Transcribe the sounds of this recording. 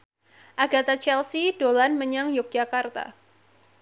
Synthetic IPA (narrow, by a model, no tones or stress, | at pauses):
ʔaɡat̪at͡ʃɛlsidolanməɲaŋjʊk̚d͡ʒakart̪a̰